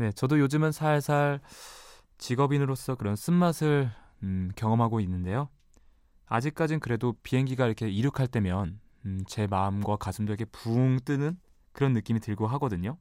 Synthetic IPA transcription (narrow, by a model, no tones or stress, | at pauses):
ne̞t͡ɕʌdojod͡ʑɯmɯnsʰaesʰaɭ | t͡ɕiɡʌbinɯɾos͈ʌkɯɾʌns͈ɯnmːasʰɯɭ | kjʌŋʌmɦaɡoinːɯnde̞jo | a̰d͡ʑik̚k͈ad͡ʑinkɯɾe̞dopiɦe̞ŋɡiɡaiɾʌkʰe̞iɾɯkʰaɭt͈e̞mjʌn | t͡ɕe̞maɯmɡwakasʰɯmdoikʰepuŋt͈ɯnɯn | kɯɾʌnːɯk͈imitɯɭɡoɦaɡʌdɯɲo